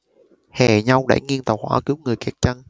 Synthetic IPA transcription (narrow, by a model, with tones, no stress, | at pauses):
hɛ̰˨˩ɲa˧wɗa̰ː˧˩jŋi˧ənt̪ə˨˩whwa̰ː˧˩kɨ˨˦wŋɨ˨˩əjkɛ˨˩k̚t͡ɕa˧n